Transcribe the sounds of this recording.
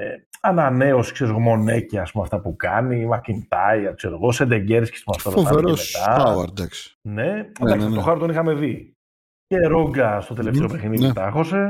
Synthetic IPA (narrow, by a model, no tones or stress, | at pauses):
eɐnane̞oskseɾizɣomo̞neciɐspumeaft̪ɐpukɐnimɐkint̪ɐiɐkseɾoɣosed̪eɲɟeɾiske̥spumɐft̪ɐt̪oɐveɾoset̪ɐaɐ̰ɾd̪ɐksi̥ne̞d̪ɐakst̪oxɐɾot̪o̞nixɐme̞ði | ceɾo̞ŋɡɐst̪ot̪eleft̪eo̞pɾexinit̪ɐxo̞se̞